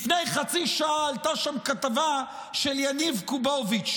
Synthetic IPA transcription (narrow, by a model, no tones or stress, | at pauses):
fnejχat͡siʃaaːlt̪aʃamkat̪ava | ʃeljanivkubovit͡ʃ